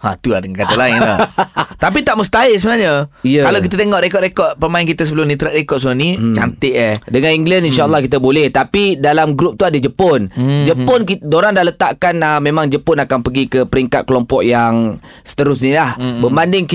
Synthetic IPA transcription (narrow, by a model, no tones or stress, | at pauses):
at̪uladəŋakat̪alaɪnat̪apit̪aʔməst̪ais̬əbənaɲəijəkalawk̬it̪at̪eŋɔʔɾekɔʔ̪̚ɾekɔt̪̚pəmaɪnkit̪as̬əbəlʊmnĩt̪əɾaʔ̚ɾekɔʔ̪̚səonit͡ʃa̰nt̪ɪʔədəŋaniŋɡlaninʃalːahkit̪abolɛht̪apidalamɡɾup̚t̪uadəd͡ʒəpʊnd͡ʒəpʊnkidoɾaŋdaʔlət̪aʔkanəmːẽmãŋd͡ʒəpʊnakanpəɡikəpəɾiŋka̰t̪̚kəlompɔʔjaŋ | sə̥t̪əɾʊs̬nĩlahbəbandɪŋk